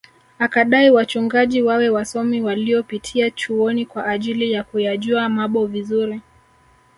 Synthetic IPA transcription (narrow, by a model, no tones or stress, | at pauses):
akaɗaiwat͡ʃuŋɡaʄiwawɛwasɔmiwaliɔpitʰiat͡ʃuɔnikwaʔːʄilijakujaʄuamaɓɔvizuɾi